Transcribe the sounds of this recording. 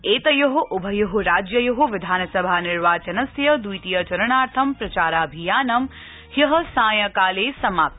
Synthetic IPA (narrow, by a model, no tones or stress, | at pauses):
eːt̪ɐjɐɦuʔʊbʱɐjɐɦuɾaːd͡ʒjɐjɐɦuʋɪd̪ʱaːnɐsɐbʱaːnɪɾʋaːt͡ʃɐnɐsjɐd̪ujt̪ijɐt͡ʃɐɾɐɳaːɾt̪ʰɐmpɾɐt͡ʃaːɾaːɐbʱijaːnɐm | hjɐɦɐsãːjɐkaːleːsɐmaːp̚t̪